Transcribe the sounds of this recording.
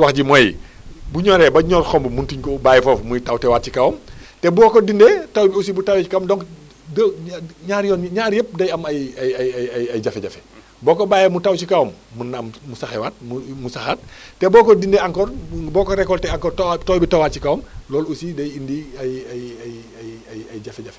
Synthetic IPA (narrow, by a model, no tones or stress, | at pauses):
wɐxɟimɐji | buɲɔɾɛbɐɲɔrxɔmbumuntuɲkɔbaːjɛfɔːfmutɐwtɛwaːt̚cikɐwmtɛbɔːkɔdindɛtɐwbiusibutɐwɛikɐwmdɔŋk | dɲaːɾjɔːnɲaːɾjəp̚dɐjɐmɐjɐjɐjɐɐjɐjɟɐfɛɟɐfɛ̥ | bɔːkɔbaːjɛmutɐwt͡ʃikɐwmːunɐmmusɐxɛwaːt̚mumusɐxaːt̚tɛbɔːkɔdindɛaŋkɔrbɔːkɔɾɛkːɔltɛaŋkɔːrttɔwbitɐwaːt̚t͡ʃikɐwmlɔːlusidɐjindiɐjɐjj | ɐɐjɐjd͡ʒɐfɛɟɐfɛ